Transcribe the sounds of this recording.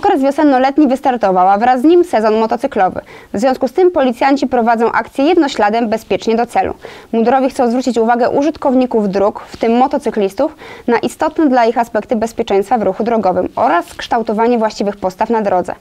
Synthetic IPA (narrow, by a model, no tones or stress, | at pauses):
ɔkɾɛzvʲjɔsɛnːɔlɛt̪ɲivɘst̪aɾt̪ɔvawavɾazːɲimsɛzɔnmɔt̪ɔt̪sɘklɔvɘ̰ | vzvʲjɔ̃skust̪ɘmpɔlʲit̪sʲjaɲt͡ɕipɾɔvad̪zɔ̃w̃ʔa̰k̚t̪sʲjɛjɛd̪nɔɕlad̪ɛmbɛspʲjɛt͡ʂɲɛd̪ɔt̪sɛlṵmud̪ɾɔvʲixkt̪sɔ̃w̃zvɾut͡ɕit͡ɕuvaɡɛʔṵʐɘt̪kɔvɲikuvd̪ɾukft̪ɘmːɔt̪ɔt̪sɘklʲist̪ufnaʔist̪ɔt̪nɛd̪laixaspɛkt̪ɘbɛspʲjɛt͡ʂɛj̃st̪favɾuxud̪ɾɔɡɔvɘmɔɾaskʂt̪awt̪ɔvaɲɛvwaɕt͡ɕivɘxpɔst̪afnad̪ɾɔd̪zɛ̰